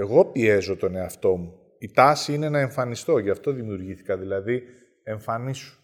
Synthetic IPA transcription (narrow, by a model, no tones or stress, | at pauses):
e̞ɣo̞pie̞zo̞t̪o̞ne̞ɐft̪o̞mu | it̪ɐsiineenɐe̞ɱfɐnist̪o̞ʝɐft̪o̞ðimiuɾʝiθi̥kɐðilɐði | e̞ɱfɐnisu̥